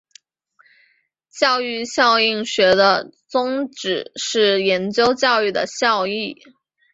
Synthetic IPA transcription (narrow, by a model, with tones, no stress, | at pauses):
t͡ɕjɑ˥˧ʊy˥˧ɕjɑ˥˧ʊi˥˩ŋɕɥɛ˧˥d̪ə˧t͡sʊ˥ŋʈ͡ʂɻ̩˨˩ʂɻ̩˥˩jɛ˧˥nt͡ɕjo˥ʊt͡ɕjɑ˥˧ʊy˥˩d̪ə̰˩ɕjɑ˥˧ʊi˥˩